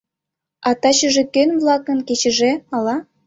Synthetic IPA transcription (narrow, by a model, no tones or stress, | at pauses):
ɑt̪ɑt͡ɕə̆ʒĕkønvlˠɑkə̆nket͡ɕɘ̆ʒeɑlɑ